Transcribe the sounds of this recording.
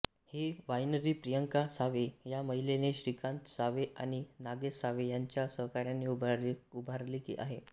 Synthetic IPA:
hiʋajnəɾipɾijəŋkasaʋejaməɦileneɕɾikʰant̪saʋeʔañinaɡesaʋejaɲt͡ɕjasəɦkaɾjanːiubʱaɾliːkḭʔa̰ɦe

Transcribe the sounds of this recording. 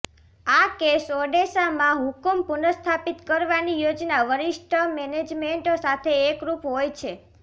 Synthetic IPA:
akesɔɖesamãɦukumpunəst̪ʰapit̪kəɾʋanijod͡ʒnaʋəɾiʃʈʰəmɛned͡ʒmeɳʈosat̪ʰeːkɾupɦojt͡ʃʰe

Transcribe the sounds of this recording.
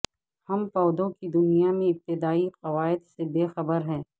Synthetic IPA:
hɐmpɔːd̪õkid̪ʊnijamẽɪp̚t̪ɪd̪aːiqɐʋaːɪd̪sebeːxɐbəɾɦɛ̃ː

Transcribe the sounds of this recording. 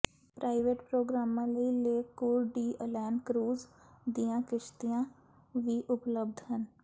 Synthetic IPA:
pɾʔaːɪʋeːʈpɾoːɡɾaːmãːləileːkuːɾɖiːəlɛːnkɾuːzd̪ijãːkɪʃt̪ijãː | ʋiːʔʊpləb̚d̪ʱɦən

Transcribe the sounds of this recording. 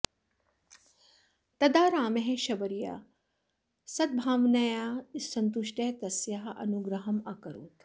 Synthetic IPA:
t̪ɐd̪aːɾaːmeɦeʃɐbɐɾija̰ | sɐd̪̚bʱaːʋnɐjaːsɐnt̪uʃʈeɦt̪ɐsjɐɦɐʔɐ̰nuɡɾɐɦɐmɐkɐɾo̰ːt̪

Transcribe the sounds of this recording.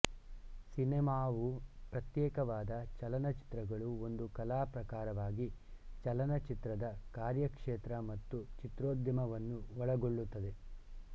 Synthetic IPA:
sinɛmaːʋupɾɐt̪jɛːkɐʋaːd̪ɐt͡ʃɐlɐnɐt͡ʃi̥t̪ɾɐɡɐɭuo̞nd̪ukɐlaːpɾɐkaːɾɐʋaːɡit͡ʃɐlɐnɐt͡ʃit̪ɾɐd̪ɐkaːɾjɐkʂeːt̪ɾɐmɐt̪ːut͡ʃit̪ɾoːd̪jɐmɐʋɐnːuʋɔɭɐɡo̞ɭːut̪ːɐd̪e̞

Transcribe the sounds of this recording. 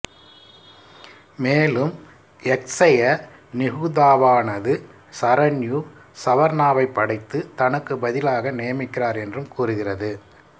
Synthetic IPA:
meːlɯm | ɛksɐjɐ | nɪɣuːðaːʋaːnɐðɯ | sɐɾɐnjuː | sɐʋɐɾnaːʋɐɪpːɐɽɐɪt̪ːɯt̪ɐnɯkːɯbɐðɪlaːɣɐnɪjɐmɪkːɪraːɾɛndrɯmkuːrɯɣɪrɐðɯ

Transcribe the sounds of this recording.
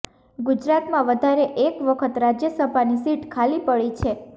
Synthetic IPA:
ɡud͡ʒɾat̪mãʋəd̪ʱaɾeʔekʋəkʰət̪ɾad͡ʒjəsəbʱanisiʈkʰalipəɭit͡ʃʰe

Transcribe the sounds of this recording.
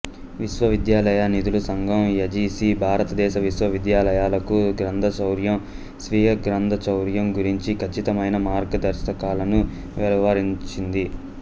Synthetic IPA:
ʋiʃʋɐʋid̪jaːlɐjɐnid̪ulusɐŋɡʱɐmɐd͡ʒiːsiːbʱaːɾɐt̪ɐd̪ɛːʃɐʋiʃʋɐʋid̪jaːlɐjaːlɐkuɡɾɐnd̪ʱɐt͡ʃɐwɾjɐm | sʋiːɦɐɡɾɐnd̪ʱɐt͡ʃɐwɾjɐmɡuɾiɲt͡ʃikʰɐt͡ʃːit̪ɐmɐjnɐmaːɾɡɐd̪ɐɾʃɐkaːlɐnu | ʋɛlɐʋaɾiɲt͡ʃind̪i

